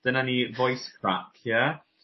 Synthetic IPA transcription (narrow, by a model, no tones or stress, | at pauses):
d̥ənanivɔjskʰɹakʰjɛ